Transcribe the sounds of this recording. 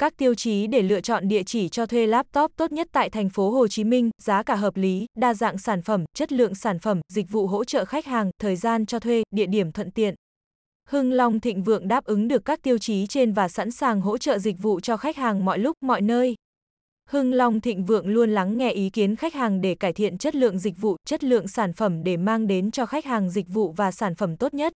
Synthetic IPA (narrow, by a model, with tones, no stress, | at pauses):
kaː˦˥k̚t̪i˧əwt͡ɕi˨˦ɗe˧˩lɨ̰˧˨ət͡ɕɔ̰˧˨nɗḭ˧˨ət͡ɕi˧˩t͡ɕɔ˧t̪ʰwe˧laː˦˥p̚t̪ɔ˦˥p̚t̪o˦˥t̚ɲə˦˥t̚t̪a̰ː˧˨jt̪ʰɛ˨˩jŋ̟fo˨˦ɦo˨˩t͡ɕi˨˦mï˧ŋ̟zaː˨˦kaː˧˩ɦəː˨˩p̚li˨˦ɗaː˧za̰ː˧˨ŋsaː˧˩nfə˧˩mt͡ɕə˦˥t̚lɨ̰˧˨əŋsaː˧˩nfə˧˩mzi˨˩k̟̚vṵ˧˨ɦo̰˧˥t͡ɕə̰ː˧˨xa˦˥k̚haː˨˩ŋt̪ʰəː˨˩jzaː˧nt͡ɕɔ˧t̪ʰwe˧ɗḭ˧əɗi˧˩əmt̪ʰwə̰˧˨nt̪ḭ˧˨ən | hɨ˧ŋla˨˧wŋ͡mt̪ʰḭ̈˧˨ŋ̟vɨ̰˧˨əŋɗaː˦˥p̚ʔɨ˨˦ŋɗɨ˨˩əkːaː˦˥k̚t̪i˧əwt͡ɕi˨˦t͡ɕe˧nvaː˨˩sa̰˧˥nsaː˨˩ŋɦo̰˧˥t͡ɕə̰ː˧˨zï˨˩k̟̚vṵ˧˨t͡ɕɔ˧xa˦˥jk̚haː˨˩ŋmɔ̰˧˨jlʊ˦˥k͡p̚mɔ̰˧˨jnəː˧j | hɨ˧ŋla˨˧wŋ͡mt̪ʰḭ˧˨ŋ̟vɨ̰˧˨əŋlu˧ənla˨˦ŋːɛ˧ʔi˨˦ki˨˦ənxa˦˥k̚haː˨˩ŋɗe˧˩kaː˧˩jt̪ʰḭ˧˨ənt͡ɕə˦˥t̚lɨ̰˧˨əŋzï˨˩k̟̚vṵ˧˨t͡ɕə˦˥t̚lɨ̰˧˨əŋsaː˧˩nfə˧˩mɗe˧˩maː˧ŋɗe˨˦nt͡ɕɔ˧xa˦˥k̚haː˨˩ŋzï˨˩k̟̚vṵ˧˨vaː˨˩saː˧˩nfə˧˩mt̪o˦˥t̚ɲə˦˥t̚